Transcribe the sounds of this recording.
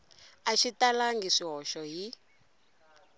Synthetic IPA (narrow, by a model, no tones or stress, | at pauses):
aʃitalaŋɡɛʂiɦɔʃɔɦi